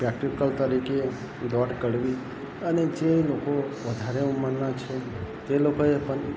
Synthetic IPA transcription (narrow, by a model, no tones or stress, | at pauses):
pɾɛkʈikəlt̪əɾike | d̪ɔʈkəɽʋi | əned͡ʒelokoʋəd̪ʱaɾeuməɾnat͡ʃʰe | t̪elokoepən